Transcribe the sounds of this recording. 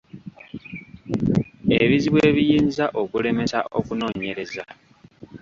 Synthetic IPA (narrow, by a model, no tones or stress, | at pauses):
eβiziβweːβijiːnzaʔo̞kule̞me̞sa̰ʔo̞̰kuno̞ːɲe̞ɾe̞za